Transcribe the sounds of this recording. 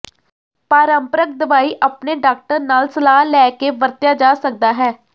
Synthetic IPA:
paːɾəmpəɾək̚d̪əʋaːiːʔəpneːɖaːk̚ʈəɾnaːlsəlaːɦlɛːkeːʋəɾt̪jaːd͡ʒaːsək̚d̪aːɦɛː

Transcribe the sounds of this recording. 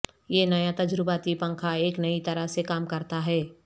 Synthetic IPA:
jenɐjat̪ɐd͡ʒɾɪbat̪ipɐ̃ŋkʰaeːknɐit̪ɐɾəɦsekaːmkɐɾt̪aɦɛː

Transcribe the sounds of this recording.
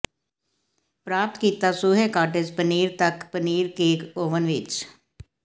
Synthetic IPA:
pɾaːp̚t̪kiːt̪aːsʊɦeːkaːʈɪd͡ʒpəniːɾt̪əkpəniːɾkeːkoːʋənʋɪt͡ʃ

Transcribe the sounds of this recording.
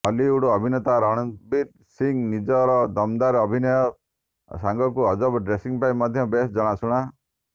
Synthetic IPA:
ɔliuɽɔɔbʱinɔt̪aɾɔɽ̃ɔbiɾ | siŋnid͡ʒɔɾɔd̪ɔmd̪aɾɔbʱinɔjɔ | saŋɡɔkuɔd͡ʒɔbɖɾesiŋpaimɔd̪ʱjɔbesd͡ʒɔɽ̃asuɽ̃a

